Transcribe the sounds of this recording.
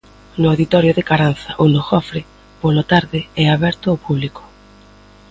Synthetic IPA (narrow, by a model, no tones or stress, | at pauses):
nʊawðit̪ɔɾjʊðɪkaɾanθaʔunʊxɔfɾɪ | polot̪aɾðɪɛaβɛɾt̪ʊapuβliko̥